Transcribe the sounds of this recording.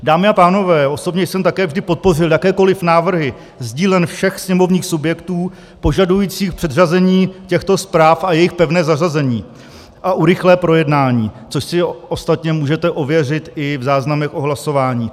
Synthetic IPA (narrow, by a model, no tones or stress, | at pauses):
daːmɪapaːno̞vɛːʔo̞so̞bɲɛjsɛmt̪akɛːvʒdɪpo̞t̪̚po̞r̝ɪljakɛːko̞lɪfnaːvr̩ɦɪ | zɟiːlɛnfʃɛxsɲɛmo̞vɲiːxsubjɛkt̪uː | po̞ʒadujiːt͡siːxpr̥ɛd̪r̝azɛɲiːcɛxt̪o̞spɾaːfajɛjɪxpɛvnɛːzarazɛɲiː | ʔaʔuɾɪxlɛːpɾo̞jɛdnaːɲiːt͡soʃsɪost̪at̪ɲɛmuːʒɛt̪ɛʔovjɛrɪt̪ɪvzaːznamɛxʔo̞ɦlaso̞vaːɲiː